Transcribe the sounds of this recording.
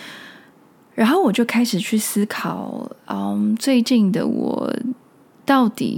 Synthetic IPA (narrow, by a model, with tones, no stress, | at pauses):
ɻa˧˥nxo˥˩ʊwɔ˨˩t͡ɕjo˥˩ʊkʰa˥ɪʂɻ̩˨˩t͡ɕʰy˥˩sɹ̩˥kʰɑ˨˩ʊə˧mt͡swe˥˧ɪt͡ɕi˥˩ŋd̪ə̰˩wɔ̰˨˩ | t̪ɑ˥˩ʊt̪ḭ˨˩